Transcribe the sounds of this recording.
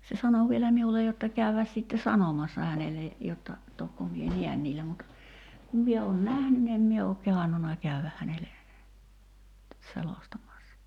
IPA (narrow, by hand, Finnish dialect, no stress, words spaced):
se sɑno ʋielæ miulej̆ jotːɑ kæyʋæs sitːe sɑnomɑsːɑ hænele jotːɑ tokːo mie niæn niːlːæ mut kum mie oːn næhny ni em mie ok kehɑnːunɑ kæyʋæk hænele selostɑmɑsːɑ